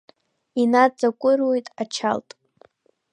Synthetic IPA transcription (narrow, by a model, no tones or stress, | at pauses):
inad͡zakʷʼʊrwojtʼat͡ʃʰa̰ltʼ